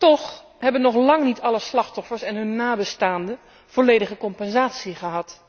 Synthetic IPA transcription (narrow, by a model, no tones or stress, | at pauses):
tɔχ | ɦɛbənːɔχlɑŋnitʰɑləslɑχtɔfəɹsɛnɦɵnːaːbəstaːndə | v̥olejdəχəkɔmpɛnzaːtsiχəɦɑt